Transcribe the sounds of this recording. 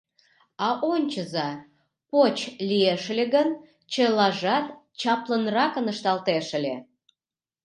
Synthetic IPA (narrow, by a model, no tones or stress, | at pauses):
ɑʔonʲt͡ɕəzɑ | pot͡ɕlijeʃlʲeɣən | t͡ɕelɑʒɑt̪ | t͡ɕɑplənrɑkə̆nəʃt̪ɑlt̪eʃə̆lʲe